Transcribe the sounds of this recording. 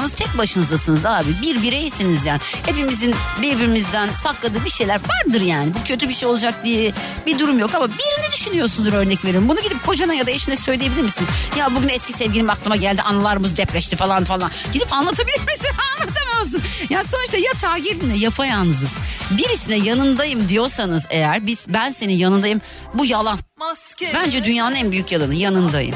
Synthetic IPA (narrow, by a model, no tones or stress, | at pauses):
nɯz̥t̪ʰɛc̚baʃɯnɯzd̪asɯnɯzaːbibiɾbiɾejisinizjaːnhe̞pimizinbiɾbiɾimizd̪ænsaklˠad̪ɯːbiʃejlʲæɾvaɾd̪ɯɾjaːnibucʰø̞t̪ʰybiɾʃejo̞lˠad͡ʒak̚d̪ijɛ | bid̪uɾumjo̞kamabijeɾind̪ɛd̪yʃynyjo̞ɾsund̪uɾø̞ɾnɛcveɾiɾmbunuɟid̪ip̚kʰo̞d͡ʒanajad̪aeʃinɛsø̞jlʲijebilʲiɾmisinjabuɟynɛscisɛvɟʲilʲimaklˠɯmaɟælʲd̪iʔanalˠaɾɯmɯzd̪ɛpɾɛʃt̪ʰifalˠanfalˠanɟid̪ipanlˠat̪ʰabilʲiɾmisinanlˠat̪ʰamazɯnjaːniso̞nuʃt̪ʰajat̪ʰaːɟiɾd̪inɛjapʰajannɯzɯzbiɾisinɛjanɯnd̪ajɯmd̪ijo̞ɾsanɯze̞jæɾbiz̥bænse̞ninjanɯnd̪ajɯm | bujalˠan | bænd͡ʒɛd̪ynjaːnɯnænbyjycjalˠanɯjanɯnd̪ajɯ̰m